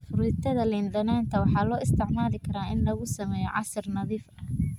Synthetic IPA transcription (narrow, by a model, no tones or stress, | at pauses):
fʊɾɪːt̪ʰɐðɐlɪnd̪ɐnaːnt̪ʰɐwɑħɑːlɔːɪst̪ʰɪʕmaːlɪkʰɐɾaːɪnlɐɣʊsɐmɛːjɔʕɑ̰sɪrnɐðiːfɐ